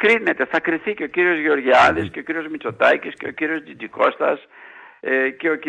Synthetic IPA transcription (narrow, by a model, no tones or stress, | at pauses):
kɾinet̪eθɐkɾiθiceociɾiozɣeoɾʝiaðisceociɾjozmit͡sot̪ajcisceo̰ciɾiozd̪id͡ʒiko̰st̪ɐ̰s | ceok